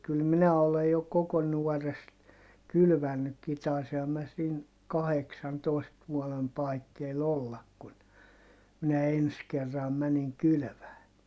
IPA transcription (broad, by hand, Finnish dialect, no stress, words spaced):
kyl minæ olej jo koko nuɔrest kylʋænːykːi tɑˑisihɑm mæ siːn kɑheksɑntoˑist ʋuɔlem pɑikːeil olːɑk kun minæ ens kerːɑm mæniŋ kyly̆ʋæː